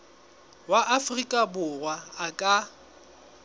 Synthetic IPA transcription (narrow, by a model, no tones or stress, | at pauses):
waʔafrikʼabʊrwaːkʼa